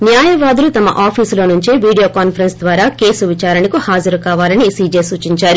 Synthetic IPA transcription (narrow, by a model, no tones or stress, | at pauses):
njaːjɐʋaːd̪ulut̪ɐmɐ̰ʔaːpʰiːslo̞ːnuɲt͡ʃiʋiːɽijo̞ːkaːnpʰɐɾensd̪ʋaːɾaːke̞ːsuʋit͡ʃaːɾɐnikuhaːd͡ʒɐɾukaːʋaːlɐnisiːd͡ʒeːsuːt͡ʃiɲt͡ʃaːɾu